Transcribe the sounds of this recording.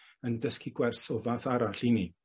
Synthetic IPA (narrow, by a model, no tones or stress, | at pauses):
əndəskʰiɡwɛrsɔvaːθaɾaɬini